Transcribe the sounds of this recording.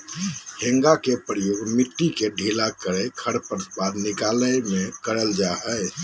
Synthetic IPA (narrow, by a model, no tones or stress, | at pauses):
hẽŋɡakepɾəjoːɡmiʈːikeɖʱilakəɾekʰəɽpəɾsbad̪nikaləjmekəɾəld͡ʒaɦɛɪ